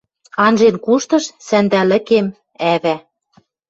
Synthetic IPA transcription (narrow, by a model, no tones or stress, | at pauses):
ɑnʒenkuʃt̪ɤ̆ʃsænd̪ælɘ̆kem | æβæ